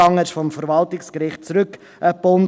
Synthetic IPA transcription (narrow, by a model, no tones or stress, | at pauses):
ɑŋəʃfɔmfəɾvɑltɪkskɾɪχt̚t͡sɾʏk | əpːʊn